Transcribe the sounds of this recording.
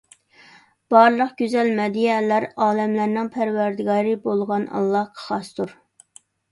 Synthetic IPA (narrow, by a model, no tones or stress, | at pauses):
b̥ɑɾlˠəqɡ̥ʲyzɛlmɛd̪ijɛlæɾɑːlɛmlæɾnɪŋpʰæɾwæɾd̪ɪɡɑːɾɨbolˠʁɑnɑ̰lˠːɑqʰə̥χɑst̪ʰuɾ